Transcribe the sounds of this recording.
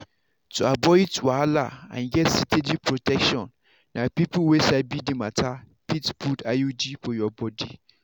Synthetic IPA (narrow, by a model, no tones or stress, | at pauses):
tʰuabɔɪtwaalaã̰nɡɛtsitʰedipʰɹotʰɛkʃɔ̃nː | ãpipuwesabidimatʰa | pitpʰutajud͡ʒifɔjɔbɔdi